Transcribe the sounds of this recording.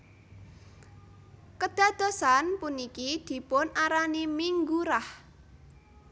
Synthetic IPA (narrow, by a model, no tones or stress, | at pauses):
kəd̪̥a̤d̪̥o̤sanpunikid̪̥i̤pʊnaɾanimiŋɡuɾah